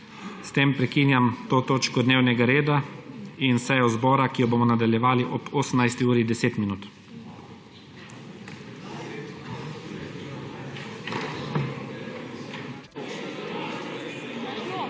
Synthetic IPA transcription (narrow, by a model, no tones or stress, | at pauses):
st̪empɾɛkiːnjamt̪oːt̪oːt͡ʃkɔd̪neːwnɛɡaɾeːd̪ainsɛjɔzbɔːɾakijɔboːmɔnad̪aljɛʋaːliʔɔpoːsəm̩najst̪iuːɾid̪ɛseːt̪minuːt̪